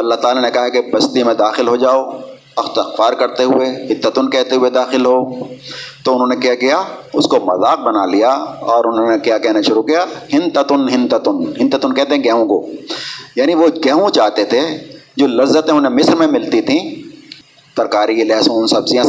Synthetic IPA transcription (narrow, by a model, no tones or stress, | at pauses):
ɐlːaɦt̪aːlanekɐɦakebɐst̪imẽd̪aːxɪlɦod͡ʒaːo | ɐxt̪ɪxfaːɾkɐɾt̪eɦʊeɦɪd̪ːət̪ʊnkɛːɦt̪eɦʊed̪aːxɪlɦoː | t̪oʊnɦõːnekijakijaʊskomɐzaːq̚bɐnalijaɔːɾʊnɦõnekjakɛɦnaʃʊɾukijahɪnt̪ət̪ʊnɦɪ̃nt̪ət̪ʊnɦɪ̃nt̪ət̪ʊnkɛːɦt̪eɦɛ̃ɡɛːɦõkoːjaːniʋoɡɛːɦũt͡ʃaːɦt̪et̪ʰed͡ʒoːlɐzːət̪ẽʊnɦẽmɪsɾmẽmɪlt̪it̪ʰĩ | sɐɾkaːɾilɛːsõʊnsɐbsijã